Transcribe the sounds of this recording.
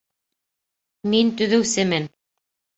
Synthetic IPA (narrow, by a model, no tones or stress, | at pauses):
mint̪ɵ̆ðɘ̆wsɘmɘn